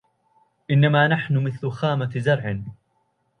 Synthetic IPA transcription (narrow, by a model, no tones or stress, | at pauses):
ʔɪnːamaːnaħnʊmɪθlʊxaːmazɑɾˤʕɪ